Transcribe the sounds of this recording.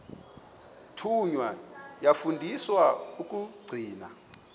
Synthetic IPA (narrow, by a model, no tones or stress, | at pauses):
tʰuɲwajafundʱiswauk̬ʼuɡ͡ǀʱiːna̰